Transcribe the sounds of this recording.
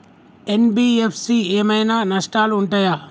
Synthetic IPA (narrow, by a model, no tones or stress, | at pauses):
enbiːepʰsieːmɐjnanɐʂʈaːluːɳʈaːjaː